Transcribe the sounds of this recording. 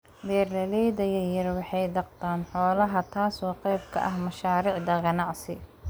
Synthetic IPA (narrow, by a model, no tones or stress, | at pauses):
wɛːrlɐlɛjðɐjɐjɐrwɑħɑjd̪ɑqt̪ʰaːnħɔːlɐɦɐt̪ʰaːsɔːqɛjb̚kʰɐ̰ʔɐɦmɐʃaːɾiːʕd̪ɐɡɐnɑʕsɪ̰